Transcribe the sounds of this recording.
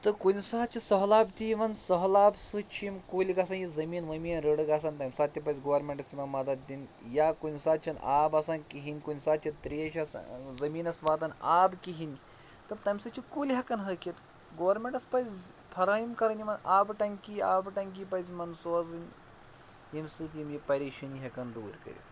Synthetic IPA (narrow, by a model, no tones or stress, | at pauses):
t̪ɐkunsaːt͡ʃisəɦlaːbt̪iʋɐnsɐɦlaːbsut͡ʃʰimkulʲiɡas̬anjizɐmiːnʋɐmiːnɾəɽɨɡas̬aːnt̪ɐjmsat̪t̪ʲːɐp̬ɐzʲɡoʋɐɾmeɳʈɐsʲimɐnmɐd̪ɐt̪̚d̪injakunʲsaːt͡ʃʰɐnaːbasankiɦinʲkunsaːt͡ʃʰɐt̪ɾieʃaszɐmiːnɐsʋat̪anaːbkiɦin | t̪ɐɾt̪ɐjmsɐt͡ʃʰikulʲɦɐkanɦɐkʲet̪ | ɡoʋɐɾmeɳʈɐspɐjz | pʰɐɾaimkɐɾɐnimɐnabɨʈɐŋkʲiaːbʈɐŋk̬ipɐzimɐnsuazɨnʲ | jimsɨt̪ʲimjipɐɾʲiʃinɦɐkɐnd̪uːɾkɐ̰ɾḭ